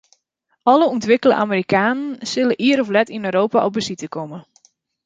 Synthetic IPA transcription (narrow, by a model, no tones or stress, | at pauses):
ɔləuntʋɪkəlˠə̰ʔa̰məɾikaːnənsɪləʔiəɾɔflɛtinøːɾoːpaʔɔb̚bəsitəkɔmə